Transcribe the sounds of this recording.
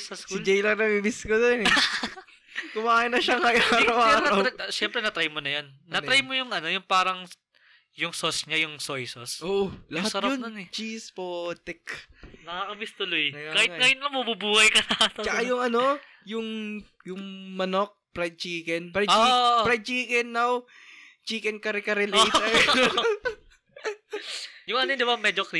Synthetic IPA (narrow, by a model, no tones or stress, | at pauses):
sɐsksɪd͡ʒɛjlɐŋnɐbibɪskod̪onɛ | kʊmaːhɪnɐʃɐŋɐjaɾɐwaːɾoʃɛmpɾɛnɐt̪ɾɐjmonɐjonːɐt̪ɾɐjmojʊŋɐno̞jʊŋpaːɾɐŋ | jʊŋsosɲajʊŋsojsosʔoʔolɐhaɐɾɐjonɐnɛt͡ʃispot̪ɛknɐkakɐbɪst̪ʊlojnɐakaːhɪŋaːjʊnlɐŋmɐbubuːhɐjkɐsat̪ɐt͡ʃɐkajʊŋʔɐno̞ | jʊŋ | jʊŋmɐnok̚pɾɐjt͡ʃiːkɛnpɾɐjpɾɐjt͡ʃiːkɛnːaw | t͡ʃiːkɛnkɐɾɛkɐɾɛlj̪ɛ | jʊŋʔɐnod̪ɪbamɛd͡ʒokɾi